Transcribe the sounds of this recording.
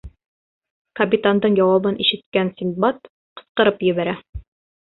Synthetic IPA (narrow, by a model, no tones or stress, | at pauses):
kɐpʲit̪and̪ɤɴjɑwɑbɤnʔiʃɘ̆t̪̚kænsʲinbɑt̪ | qɤ̥̆sqɤ̆ɾɤpjɘ̆βæɾæ